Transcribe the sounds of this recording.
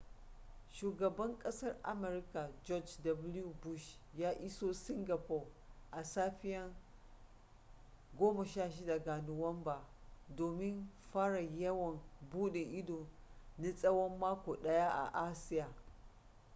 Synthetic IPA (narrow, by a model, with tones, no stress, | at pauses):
ʃuː˨ɡɐ˨bɐ˦ŋkʼɐ˦sɐ˦rʔa̰˦mɛ˨ɾka˨d͡ʒɔ˦d͡ʒdɐ˨bʊ˦lju˨bu˦ʃjaː˦ʔɪ˦soː˦sɪ˦ŋɡa˨pɔ˨rʔa˨saː˦ɸɪ˦jɐ˦ŋ | ɡʷoː˦mɐ˨ʃaː˦˨ʃi˦da˨ɡa˨nʊ˨wɐ˦mbaː˨doː˨mɪ˦nɸaː˦ɽa˨jɐ˦wɐ˨mbuː˦ɗe˨ʔɪ˦doː˨ni˦sʼɐ˦wɐ˦mːaː˦kʷoː˨ɗɐ˦ja˦ʔa̰˨ʔa˦sɪ˦jaː˨